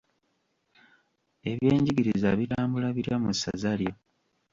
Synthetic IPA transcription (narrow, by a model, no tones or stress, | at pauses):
e̞βje̞ːɲɟiɡiɾizaβiɾaːmbulaβiɾjamusːa̰zaljo̞